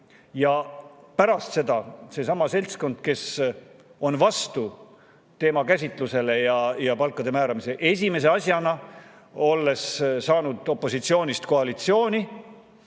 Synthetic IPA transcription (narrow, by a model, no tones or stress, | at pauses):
jɑpæɾɑst̪se̞d̪̥ɑse̞sɑmɑse̞lʲt̪sko̞nd̪̥̚ke̞s | o̞nvɑst̪u | t̪e̞ːmɑkæsʲit̪ˑluse̞le̞jɑjɑpɑlkːˑɑd̪̥e̞mæːɾɑmise̞ʔe̞s̬ʲime̞s̬e̞ɑsʲjɑnɑ | o̞lːe̞ssɑːnud̪̥o̞pːˑo̞sit̪sio̞ːnʲist̪ko̞ɑlit̪sio̞ːnʲi